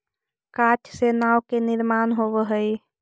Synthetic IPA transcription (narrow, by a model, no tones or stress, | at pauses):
kat͡ʃʰsenawkenɪɾmanɦobəɦəj